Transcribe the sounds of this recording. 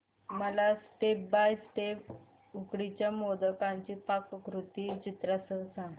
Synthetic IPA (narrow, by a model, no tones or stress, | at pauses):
məlasʈepbajsʈep | ukɽit͡ɕjamod̪əkãɲt͡ɕipakkɾut̪it͡ɕit̪ɾasəsã